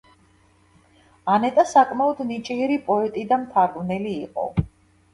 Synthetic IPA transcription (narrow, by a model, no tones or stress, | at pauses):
anɛt̪ʼasakʼmaɔd̪nit͡ʃʼiɛɾipʼɔɛt̪ʼid̪amt̪ʰaɾɡnɛliːqʼɔ̰